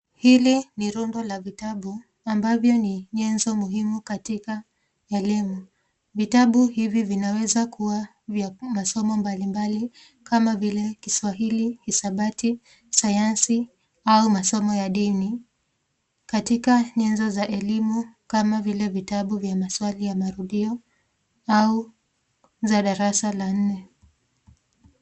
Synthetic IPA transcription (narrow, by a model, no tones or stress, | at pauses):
hiliniɾundɔlavitaɓu | ambavjɔniɲɛnzɔmuɦimukatika | ɛlimu | vitaɓuhivivinawɛzakʰuwa | vjamasɔmɔmbalimbali | kamavilɛkiswaɦilihisaɓati | sajansi | aumasɔmɔjaɗini | katikaɲɛnzɔzaʔɛlimukamavilɛvitaɓuvjamaswalijamaɾuɗiɔ | au | zaɗaɾasalan̩nɛ